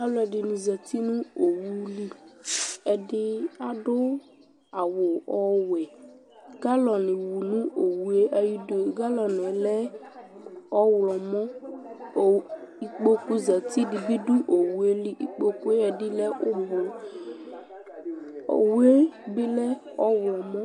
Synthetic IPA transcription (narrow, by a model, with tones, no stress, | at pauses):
a˦lɔ˨˦ɛ˨ɖɪ˨nũ˨zɛ˨t̪i˦nũ˦o˨wu˦li˦ | ɛ˨ɖɪ˦a˨ɖʊ˦ | a˨wo˨ɔ˦wɛ˨ | ɡa˦lɔ˨nɪ̃˨wu˨nũ˦ʔo˨wu˦e˦ʔa˨ji˦do˨ɡa˦lɔ˨n˨ɛ˨lɛ˦ | ɔ˦wlɔ˨mɔ̃˦˨ | i˨k͡po˦ku˦za˨t̪i˦ɖi˨bi˦ɖu˦ʔo˨wu˦e˦li˦ʔi˨k͡po˦ku˦e˦ɛ˨ɖɪ˦lɛ˦wo˦bo˨ | o̰˨wu˦e˦bɪ˦lɛ˦ɔ˦wlɔ˨mɔ̃˦